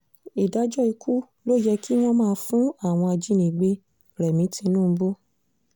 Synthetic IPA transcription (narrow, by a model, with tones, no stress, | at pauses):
i˨da˨˦d͡ʒɔ˦i˧ku˦ | lo˦jɛ˧kʰi˦w̃ɔ̃˦mãː˦˧˦fũ˦a˦˨w̃ɔ̃˧a˧d͡ʒĩ˨˦nĩ˨ɡ͡be˧ | ɾɛ˨mĩ˨˦tʰĩ˧nũː˦˨˧bo˦